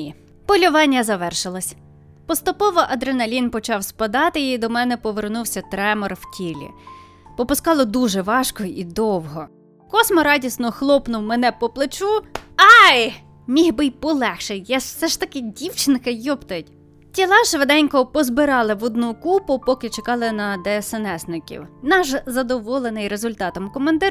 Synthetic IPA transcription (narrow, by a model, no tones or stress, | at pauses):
pɔlʲʊʋɑnʲːɐzɐʋɛrʃɪlˠɔsʲ | pɔst̪ʊpɔʋɔʔɐd̪ɾenɐlʲinpɔt͡ʃɑwspɐd̪ɑt̪ɪjid̪ɔmɛnɛpɔʋernuwsʲɐt̪ɾɛmɔrwtʲilʲḭ | pɔpʊskɑlˠɔd̪uʒɛʋɑʃkɔid̪ɔwɦɔ | kɔsmɔɾɑdʲisnɔxlˠɔpnʊwmɛnɛpɔplˠet͡ʃuɑj | mʲiɦbɪjpɔlˠɛxʃɛjjɑwsɛʃt̪ɐkɪdʲiwt͡ʃɪnkɐjɔpt̪ɐjtʲ | tʲilˠɑʒʋed̪ɛnʲkɔpɔzbɪɾɑlˠɪʋɔd̪nukupʊpɔkɪt͡ʃekɑlˠɪnɐd̪ɛːsɛnɛsnɪkʲḭwnɑʒzɐd̪ɔʋɔlˠenɪjɾezʊlʲt̪ɑt̪ɔmkɔmɐnd̪ɪɾ